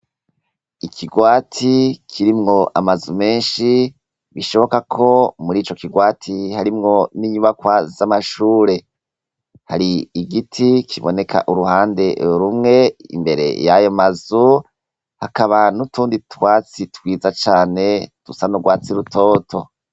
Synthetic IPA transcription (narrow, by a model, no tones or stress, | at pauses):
ikʰiɡwaːtʰikʰiɾimŋo̞ʔamazume̞ːnʃi | βiʃo̞βo̞kakʰo̞muɾiːt͡ʃokiɡwaːtʰihaɾimŋo̞niɲuβakwazamaʃuːɾe̞ | haɾiːɡitʰikʰiβo̞ne̞kʰa̰ʔuɾuhaːnde̞ɾumŋe̞ḭmbe̞ɾe̞̰jajomazu | hakaβanutʰuːnditwaːt͡sitwiːzat͡ʃaːne̞tusanuɡwaːt͡siɾutʰo̞ːtʰo̞